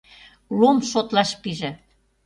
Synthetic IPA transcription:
lomʃot̪lɑʃpiʒĕ

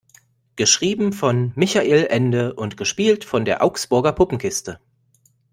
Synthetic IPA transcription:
ɡ̥əʃʁ̥iːbm̩fɔnmɪçaʔeːlʔɛndəʔʊntɡ̥əʃpiːltfɔndeːɐʔaʊksb̥ʊɐɡɐpʰʊpm̩kʰɪstə

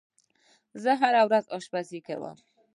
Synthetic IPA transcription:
zəɦaɾawɾazɑʃpasika̰wə̰m

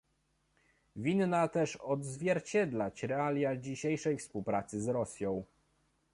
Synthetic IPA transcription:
vʲinːat̪ɛʂɔd̪zvʲjɛɾt͡ɕɛd̪lat͡ɕɾɛalʲjad͡ʑiɕejʂɛjfspuwpɾat̪sɘzɾɔsʲjɔ̃w̃

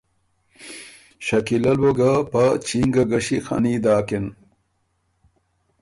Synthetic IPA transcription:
ɕɐkilɐlwoɡapɐt͡ɕiŋɡɐɡɐɕixɐ̰niːd̪aːkin

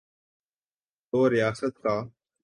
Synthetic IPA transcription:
t̪oːɾɪjaːsət̪kaː

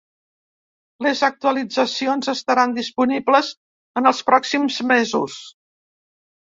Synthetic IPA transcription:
ləzək̚t̪uəlid͡zəsionzəst̪əɾand̪ispunibləz | ənəlˠspɾɔksimzmezṵs

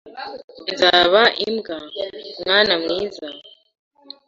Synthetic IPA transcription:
nzaːβaʔimɡamŋaːnamŋiːza

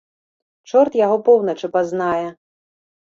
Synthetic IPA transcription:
t͡ʂɔrt̪jaɣɔpɔwnɐt͡ʂɨpaznajɛ

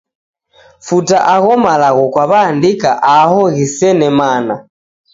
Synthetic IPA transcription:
futaʔaɣɔmalaɣɔkwaβaːndikaʔahɔɣisɛnɛmana

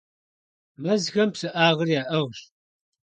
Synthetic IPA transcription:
mɐzɣɐmpsɨʔaːʁərjaːʔɐʁɕ

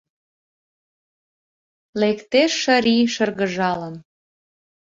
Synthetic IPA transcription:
lekt̪eʃːə̆ɾiʃərɣə̆ʒɑlən

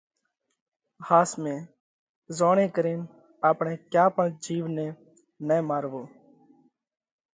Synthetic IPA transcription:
haːsmẽː | zoːɳẽːkəɾeːn | aːpɳẽːkjaːpəɳd͡ʒiːʋnẽː | neːmaːɾʋoː

